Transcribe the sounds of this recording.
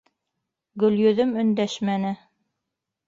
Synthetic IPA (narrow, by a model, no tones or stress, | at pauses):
ɡɵ̆ljɵ̆ðɵmɵ̆nd̪æʃmænɘ